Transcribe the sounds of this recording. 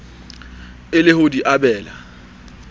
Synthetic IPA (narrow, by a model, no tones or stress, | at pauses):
ɪlɪhʊdiʔabɛːla